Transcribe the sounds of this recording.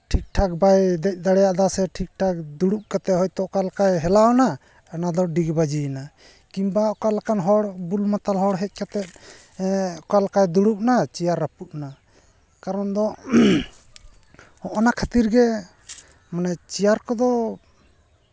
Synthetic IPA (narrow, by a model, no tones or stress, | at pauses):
ʈʰik̚ʈʰak̚bajd̪ɛc̚ˀd̪aɽɛjaʔd̪asɛʈʰik̚ʈʰak̚d̪uɽup̚kat̪ɛɦɔjt̪ɔʔkalakajɦɛlawna | anad̪ɔɖiɡbad͡ʒina | kimbaɔkalakanɦɔɽbulmat̪alɦɔɽɦɛc̚ˀkat̪ɛt̪̚ | ɔkalakajd̪uɽup̚nat͡ʃijaɾːapuʔ̪̚na | kaɾɔnd̪ɔ | hɔʔɔnakʰat̪iɾɡɛ | manɛt͡ʃijaɾkɔd̪ɔ